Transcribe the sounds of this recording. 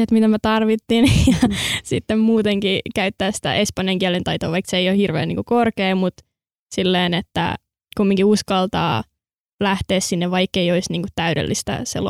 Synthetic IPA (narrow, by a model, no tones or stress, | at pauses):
et̪mit̪æmæt̪ɑrʋit̪ːinjɑsit̪ːemmuːt̪eŋkikæyt̪ːæːssi̥t̪æ̰ʔespɑnjɑŋkiælent̪ɑit̪oːʋɑikseejohirʋḛːnḭːŋkukorkeːmut̪ | silːeːnet̪ːæ̰ | kumːiŋkiuskɑlt̪ɑ̰ː | læht̪eːssinːeʋʋɑikːeioisniːŋkut̪t̪æyɾḛlːist̪æ̰sḛl